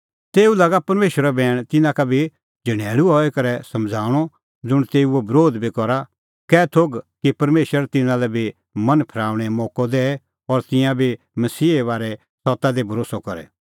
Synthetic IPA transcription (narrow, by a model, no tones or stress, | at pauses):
t̪eːulɐɡapɐɾmeːʃɾabɛːɽ̃t̪ɪnãkabʱi | d͡ʒɐɽ̃ɛːɭuɦɔɛkɐɾɛsɐ̃md͡zʱaːɽ̃ɔ | d͡zʊɽ̃t̪eːuɛbʱɐɾoːd̪bʱikɔɾa | kɛːt̪ʰoɡkipɐɾmeːʃəɾt̪ɪnãlɛbʱi | mɐnpʰɐɾaːʊɽ̃ɛmɔːkɔd̪ɛ | ɔɾt̪ɪjãbʱi | mɐsiːʋaːɾɛ | sɔt̪ad̪ebʱɐɾoːsɔkɔɾɛ̰